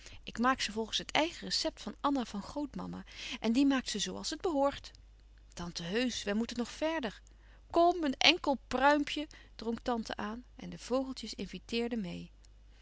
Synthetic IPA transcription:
ʔɪkmaːksəvɔlˠχən̩sɦətʰɛjχərəsɛp̚tfɑnɑnav̥ɑnχrowtmɑ̰ma̰ʔɛndimaːktsəzowɑ̰lˠsəd̚bəɦʊːɹt | tɑntəɦøɥsʋəmutənːɔχfɛɹdəɹ | kɔmənɛŋkəlˠprœɥmpʰjə | d̥rɔŋktɑntə̰ʔaːnʔɛndəv̥owχəlˠtjəsɪnvitɪːɹdəmej

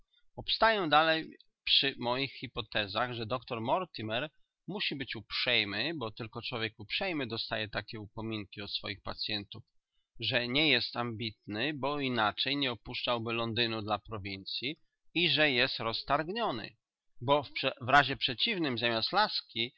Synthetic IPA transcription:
pɔpst̪ajɛw̃d̪alɛj | pʂɘmɔjixxipɔt̪ɛzaɣʐɛd̪ɔkt̪ɔɾmɔɾt̪ʲimɛɾ | muɕibɘt͡ɕupʂɛjmɘbɔt̪ɘlkɔt͡ʂwɔvʲjɛkupʂɛjmɘd̪ɔst̪ajɛt̪akʲɛupɔmʲiŋkʲiɔt̪sfɔ̰jixpat̪sʲjɛnt̪uf | ʐɛɲɛjɛst̪ambʲit̪̚nɘbɔinat͡ʂɛjɲɛɔpuʂt͡ʂawbɘlɔnd̪ɘnud̪lapɾɔvʲint̪sʲjiː | ʐɛjɛst̪ɾɔst̪aɾɡɲɔnɘ̰ | bɔfvɾaʑɛpʂɛt͡ɕivnɘmzamʲjaslaskʲi

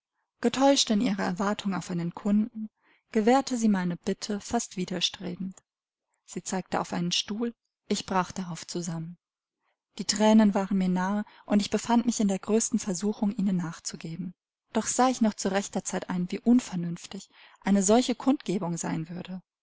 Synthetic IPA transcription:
ɡ̥ətʰɔʏʃtɪnʔiːʁɐɛ̰ɐvaɐtʰʊŋaʊfʔaɪnənkʰʊndn̩ | ɡ̥əvɛːɐtʰəziːmaɪnəb̥ɪtʰəfastv̥iːdɐʃtʁ̥ḛːbm̩t | z̥iːt͡saɪk̚təʔa̰ʊfʔa̰ɪnənʃtuːl | ʔɪçb̥ʁaːχd̥aʁaʊft͡suzamən | d̥iːtʁ̥ɛːnənvaːʁənmiːɐnaːə | ʔʊntɪçb̥əfantmɪçɪndeːɐɡʁøːstn̩fɛɐzuːxʊŋʔiːnənːaːχt͡suɡeːbm̩ | d̥ɔχz̥aːɪçnɔχt͡suʁɛçtɐt͡saɪtʔa̰ɪnviːʔʊnfɛɐnʏnftɪç | ʔaɪnəzɔlçəkʰʊntɡ̥eːbʊŋza̰ɪnvʏɐdə

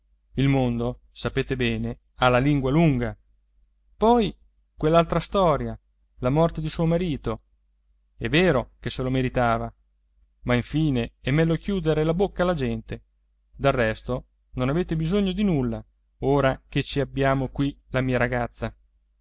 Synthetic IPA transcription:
ilmond̪o | sapeːt̪ebɛːne | alːaliŋɡwaluŋɡa | pɔj | kwelːalt̪ɾast̪ɔːɾja | lamɔrt̪ed̪isuːomaɾiːt̪o | ɛvːeːɾokeselomeɾit̪aːva | maiɱfiːneɛmːɛlːokjuːd̪eɾelabokːalad͡ʒɛnt̪e | d̪alrɛst̪o | nonaveːt̪ebizoɲːod̪inulːa | oːɾak̟et͡ʃiabːjaːmokwilamiːaɾaɡat̪sːa

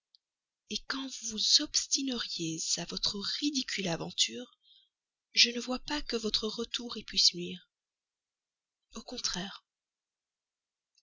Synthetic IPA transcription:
ekɑ̃vuzɔpst̪inəʁjezavɔt̪χəʁid̪ikʲʰylavɑ̰̃t̪yʁ | ʒənəvwapakəvɔt̪χəʁət̪uʁipɥisnɥiːʁ | okɔ̃t̪χɛːʁ

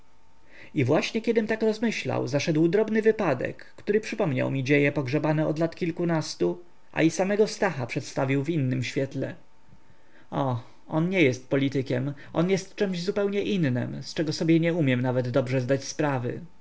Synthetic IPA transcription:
ivwaɕɲɛkʲjɛd̪ɘmt̪akɾɔzmɘɕla̰wzaʂɛd̪wd̪ɾɔbnɘvɘpad̪ɛ̰kːt̪uɾɘpʂɘpɔmɲa̰wmʲid͡ʑejɛpɔɡʐɛbanɛɔ̰d̪lat̪kʲilkunast̪u | ʔa̰isamɛɡɔst̪axapʂɛt̪st̪avʲiwvinːɘmɕfʲjɛt̪lɛ̰ | ɔ | ɔnɲɛjɛst̪̚pɔlʲit̪ɘkʲɛmʔɔnjɛst̪t͡ʂɛmʑzupɛwɲɛʔinːɘ̰mst͡ʂɛɡɔsɔbʲjɛɲɛumʲjɛmnavɛd̪d̪ɔbʐɛzd̪at͡ɕspɾavɘ̰

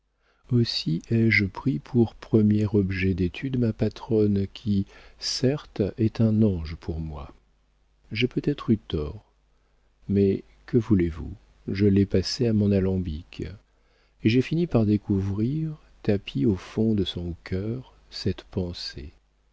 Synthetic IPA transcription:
osiɛʒəpχipʰuʁpχəmjɛʁɔbʒɛd̪et̪ʰyd̪mapat̪χɔnkʲʰisɛʁt̪ɛt̪ɛ̃nɑ̃ʒpʰuʁmwa | ʒepøt̪ɛt̪χyt̪ɔːʁ | mɛ | kəvulevṵ | ʒəlɛpaseamɔ̃nalɑ̃bik | eʒefinipaʁd̪ekʰuvʁiʁ | t̪apʰiofɔ̃d̪əsɔ̃kʲʰœʁ | sɛt̪pɑ̃sḛ

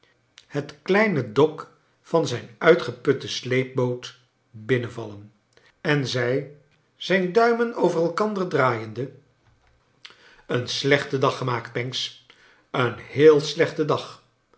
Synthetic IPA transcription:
hətklɛjnədɔk | fɑnzɛjnœɥtχəpɵtəslejp̚bowt | bɪnənvɑlən | ɛnzɛj | z̥ɛjndœɥmənowvərɛlˠkɑndərdraːjəndə | ənslɛχtədɑχəmaːkt̚pɛŋks | ənhɪːlˠslɛχtədɑχ

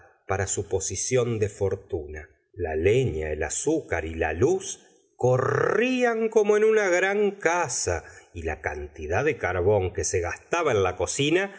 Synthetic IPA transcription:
paɾasupo̞sisjo̞nd̪efo̞ɾt̪una | la̰leɲa̰elasukaɾila̰lus | ko̞riaŋko̞moenunaɣɾaŋkasailaka̰nt̪iðaðekaɾβo̞ŋke̞se̞ɣast̪aβaenlako̞sina

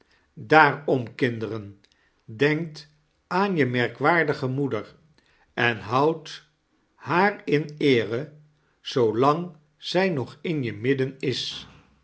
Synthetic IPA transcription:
daːɹɔmkɪndərən | dɛŋk̚t | aːnjəmɛɹkʋaːɹdəχəmudəɹ | ɛnɦʌwt | haːɹɪnɪːrə | z̥owlɑŋ | z̥ɛjnɔχɪnjəmɪdənɪs

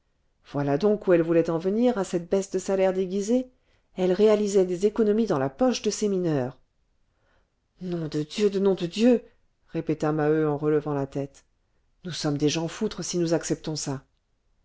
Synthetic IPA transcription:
v̥walad̪ɔ̃kuɛlvulɛt̪ɑ̃vəniʁasɛt̪̚bɛsd̪əsalɛʁd̪eɡʲize | ɛlʁealizɛd̪ezekɔnɔmid̪ɑ̃lapɔʃd̪əseminœːʁ | nɔ̃d̪əd̪jød̪ənɔ̃d̪əd̪jø | ʁepet̪amaøɑ̃ʁələvɑ̃lat̪ɛt̪ | nusɔmd̪eʒãfut̪χəsinuzaksɛp̚t̪ɔ̃sa

